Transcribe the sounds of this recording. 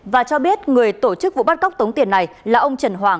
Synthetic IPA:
vaː˨˩t͡ɕɔ˧ɓi˦˥ət̚ŋɨ˨˩əjt̪o˧˩t͡ɕɨ˦˥k̚vṵ˧˨ɓa˦˥t̚ka˦˥wk͡p̚t̪ə˨˦wŋ͡mt̪i˨˩ənːa˨˩jlaː˨˩ʔə˧wŋ͡mt͡ɕə˨˩nɦwaː˨˩ŋ

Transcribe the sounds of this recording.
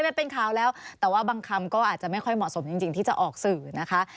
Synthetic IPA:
jma˥npe˧nkʰaː˨˦wlɛː˦˥wt̪ɛː˨˩waː˥˩baː˧ŋkʰa˧mkɔː˥˩ʔaː˨˩t̪̚t͡ɕa˨˩ma˥˩jkʰɔ˥˩jmɔ˨˩ʔso˩˦mt͡ɕi˧ŋt͡ɕi˧ŋt̪ʰiː˥˩t͡ɕa˨˩ʔɔː˨˩k̚sɯː˨˩na˦˥kʰa˦˥

